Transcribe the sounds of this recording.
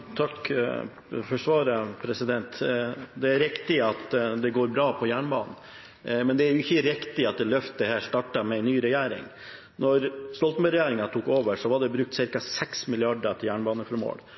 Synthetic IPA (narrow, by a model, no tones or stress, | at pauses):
t̪ʰɑk | fɔʂʋɑːɾəpʰɾɛsɪd̪ɛnt̪d̪ɛæɾɪkt̪ɪɑt̪d̪ɛɡoːɾbɾɑːpʰɔjæːɳbɑːnn̩ | mɛnd̪ɛæjʊɪçːəɾɪkt̪ɪɑt̪̚d̪ɛlœft̪əhæːʂt̪ɑʈɑmɛɛɪnnːyːɾɛjæːɾɪ̰ŋ | nɔɾst̪ɔlt̪møɾɛjæːɾɪŋɑt̪ʰuːkoːʋəʂɔʋɑɖɛbɾʉk̚t̪sɪɾkɑsɛksmɪlɪɑɖət̪ʰɪljæːɳbɑːnəfɔɾmo̰ːɽ